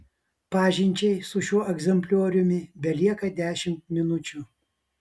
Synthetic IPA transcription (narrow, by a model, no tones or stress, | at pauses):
pɑːʒʲɪnʲt͡ʃʲɛɪsʊʃʲuɔʔɛɡzʲɛmʲpʲlʲuːɾʲʊmʲɪbʲɛlʲiɛkɐd̪ʲæːʃʲɪmt̪̚mʲɪnʊt͡ʃʲʊ